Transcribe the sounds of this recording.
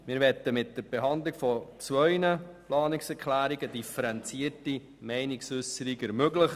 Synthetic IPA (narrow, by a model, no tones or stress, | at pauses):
mɪːɾʋɛt̪ːəmɪt̚d̥əɾb̥eɦɑnd̪lɪɡfɔt͡sʋœʏnəplɑːnɪksɛɾkʰlæːɾiɡədifəɾɛnt͡siəɾti | mɛɪnɪksʏsːəɾiɡəɾmøɡləχ